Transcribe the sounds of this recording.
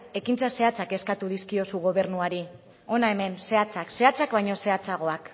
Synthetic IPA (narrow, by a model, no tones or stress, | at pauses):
e̞kint͡sase̞at͡sake̞skat̪uð̞iskio̞suɣ̞o̞β̞e̞ɾnuaɾi | o̞nae̞me̞nse̞at͡sakse̞at͡sakβaɲo̞se̞at͡saɣo̞ak